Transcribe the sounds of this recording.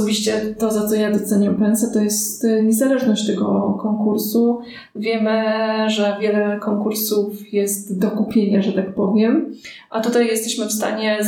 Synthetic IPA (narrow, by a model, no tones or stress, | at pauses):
bʲiɕt͡ɕɛt̪ɔzat̪sɔjad̪ɔt̪sɛɲampɛnsɛt̪ɔjɛst̪ɲɛzalɛʐnɔɕt͡ɕt̪ɛɡɔkɔŋkuɾsu | vʲjɛmɘʐɛvʲjɛlɛkɔŋkuɾsufjɛst̪d̪ɔkupʲjeɲaʐɛt̪akpɔvʲjɛm | ʔat̪ut̪ajːɛst̪ɛɕmɘfst̪a̰ɲɛ